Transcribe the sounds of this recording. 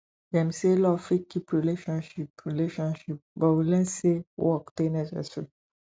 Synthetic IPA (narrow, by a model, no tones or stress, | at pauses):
dɛ̃mselɔfikipɹileʃɔ̃nʃipɹileʃɔ̃nʃip̚bɔwilɛ̃sewɔktenɛsɛ̰su